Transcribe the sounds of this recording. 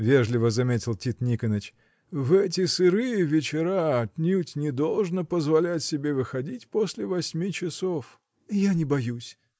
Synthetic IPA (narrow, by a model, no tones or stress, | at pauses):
vʲeʐlʲɪvəzɐmʲetʲɪlˠtʲit̪nʲikənət͡ɕ | vɛt̬ʲɪsɨɾɨjɪvʲɪt͡ɕɪɾaɐtʲnʲutʲnʲɪd̪olˠʐnəpəzvɐlʲætʲsʲɪbʲe̞vɨxɐdʲitʲposʲlʲɪvɐsʲmʲit͡ɕɪsof | ijanʲɪbɐjusʲ